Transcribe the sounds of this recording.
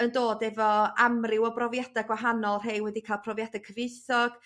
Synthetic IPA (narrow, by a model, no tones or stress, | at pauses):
əndoːdɛvɔamrɪwɔbrɔvjadaɡwaɦanɔlˠr̥ejwɛdikʰaːlˠpʰrɔvjad̥akʰəvɨsɔɡ̥